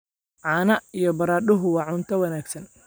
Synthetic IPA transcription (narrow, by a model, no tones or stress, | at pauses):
ʕɑːnɐijɞbɐɾaːd̪ʊɦʊwɑːʕʊnt̪ʰɐwɐnaːɡsɐn